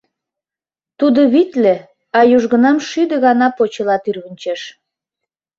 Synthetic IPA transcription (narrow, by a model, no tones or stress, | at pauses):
t̪ud̪ə̆βit̪lĕ | ɑjuʒɣə̆nɑmʃyd̪ə̆ɣɑnɑpot͡ɕəlɑt̪yrβənʲt͡ɕeʃ